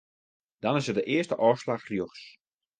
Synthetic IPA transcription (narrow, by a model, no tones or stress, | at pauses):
d̥ɑnɪsədəʔɪəstəʔɔːslaxrjoxs